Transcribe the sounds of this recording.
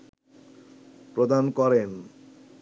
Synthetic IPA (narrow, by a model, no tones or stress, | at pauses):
pɾod̪ankɔɾen